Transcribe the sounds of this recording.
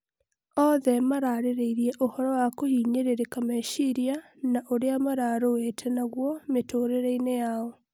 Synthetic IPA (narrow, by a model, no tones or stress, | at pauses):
ɔðɛmaɾaɾeɾeiɾjɛʔohɔɾɔwakohiːɲeɾeɾekamaʃiɾia | naʔoɾeamaɾaɾowetʰɛnaɣwɔmetoːɾeɾeinejaɔ